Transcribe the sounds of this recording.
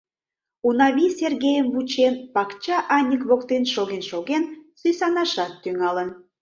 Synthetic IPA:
unɑβʲiserɣejəmβut͡ɕenpɑkt͡ɕɑʔɑnʲəkβokt̪enʃoɣenʃoɣensyjsɑnɑʃɑt̪ːyŋɑlən

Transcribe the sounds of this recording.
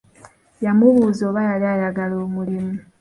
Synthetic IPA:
jamuβuːzoːβajaliajaɡaloːmulimu

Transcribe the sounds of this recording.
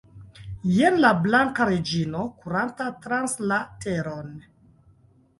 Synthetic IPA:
jenlablaŋkaɾed͡ʒinokuɾantatɾanslateɾon

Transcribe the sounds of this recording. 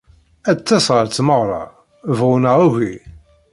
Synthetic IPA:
æt͡sːæsʁəɾt͡sːməʁɾˤɑ̰ | vʁʊnəʁuʝi

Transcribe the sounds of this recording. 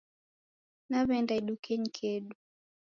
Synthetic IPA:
naβɛndaiɗukɛɲ̩kʰɛɗu

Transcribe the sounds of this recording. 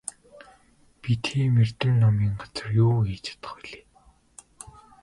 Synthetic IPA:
pit̪xeːmer̥t̪ɘ̆mnɔmiːŋɢat͡sə̆rjuːeːt͡ɕʰḁt̪ə̥̆χiɮe̥ː

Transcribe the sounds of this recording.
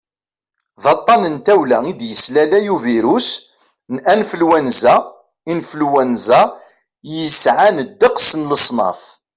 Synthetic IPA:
ðɑt̪ˤːɑnənt̪æwlæid̪jəslælæjuviɾus | nʔænfəlwænzæ | infəlwænzæ | jəsʕanəd̪ːəqsənləsˤnɑ̰f

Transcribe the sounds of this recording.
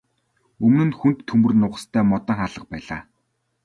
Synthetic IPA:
ɵmnɘ̆nxunt̪ʰːɵmɵ̆rnʊːʁə̆st̪ʰæːmɔt̪ə̆ŋχaːɮə̆q̚pæːɮa̰ː

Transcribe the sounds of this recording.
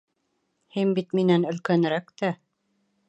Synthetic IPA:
hinbit̪minænɵ̆lkænɾækt̪æ

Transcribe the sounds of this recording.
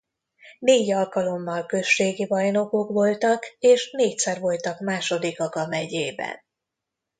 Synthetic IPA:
neːɟɒlkɒlo̞mːɒlkø̞ʃːeːɡibɒjno̞kokʋo̞lt̪ɒkeːʃneːc̚sɛrvo̞lt̪ɒkmaːʃo̞d̪ikɒkɒmɛɟeːbɛ̰n

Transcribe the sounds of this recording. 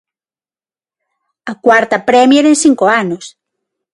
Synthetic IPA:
ɐkwaɾt̪ɐpɾɛmjeɾensiŋkoanos

